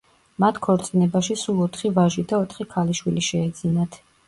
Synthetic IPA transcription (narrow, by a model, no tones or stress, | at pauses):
mat̪ʰkʰɔɾt̪sʼinɛbaʃisulˠɔt̪ʰχivaʒid̪aɔt̪ʰχikʰaliʃwiliʃɛːd̪zinat̪ʰ